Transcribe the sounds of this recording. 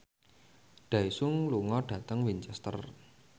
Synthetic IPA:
ɖ̥a̤isʊŋluŋɔɖ̥ä̤t̪əŋwint͡ʃɛst̪ə̰r

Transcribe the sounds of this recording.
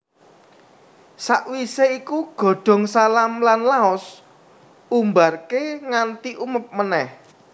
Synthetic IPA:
saʔwiseikuɡ̥ɔ̤ɖ̥ɔ̤ŋsalamlanlaɔs | umbarkeŋant̪iʔuməp̚mənɛh

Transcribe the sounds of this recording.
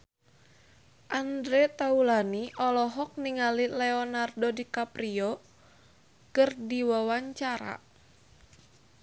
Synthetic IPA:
ʔandɾet̪aulaniʔɔlɔɦɔk̚niŋalilɛɔnardodikapɾiɔ | kɨrdiwawaɲt͡ʃaɾa̰

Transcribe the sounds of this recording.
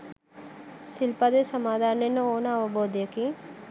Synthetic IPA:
sɪlpad̪esɐmaːd̪ʱaːɾnenəoːnɐʋəboːd̪jəki

